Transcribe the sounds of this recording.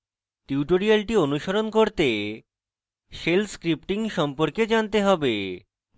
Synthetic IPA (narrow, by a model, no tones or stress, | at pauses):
ʈiwʈoɾialʈionuʃoɾonkoɾt̪e | ʃelskɾip̚ʈiŋʃɔmpoɾked͡ʑant̪eɦɔbe